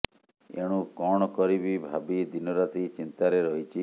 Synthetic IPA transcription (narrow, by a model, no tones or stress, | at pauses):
ḛɽ̃ukɔɽ̃ɔkɔɾibibʱabid̪inɔɾat̪ʰit͡ʃint̪aɾeɾɔɦit͡ʃʰi